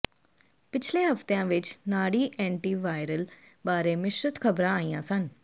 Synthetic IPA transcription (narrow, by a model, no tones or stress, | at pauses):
pɪt͡ʃʰlẽɦɐft̪ejãʋɪt͡ʃnaːɽiːʔɛ̃ːɳʈiːʋaːjɾəl | baːɾemɪʃɾət̪kʰɐbɾãaːijãsən